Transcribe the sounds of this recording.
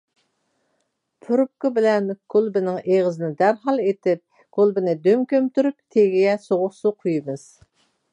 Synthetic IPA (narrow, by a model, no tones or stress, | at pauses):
pʰyɾɨp̚kɨbɪlɛnkʰolˠbɪnɪŋeʁɨzɪnɪd̪æɾɦɑlˠet̪ɪp̚ | kʰolˠbɪnɪd̪ømkʲømt̪yɾyp̚t̪ʰeɡʲijɛsoʁʊχsuqʰujɨmɨz̥